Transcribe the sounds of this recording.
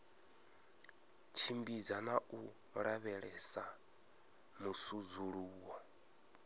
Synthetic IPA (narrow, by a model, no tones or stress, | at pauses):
t͡ʃʰimbid͡zanaʔu | ɺaβɛɺɛsa | musud͡zuɺuːwɔ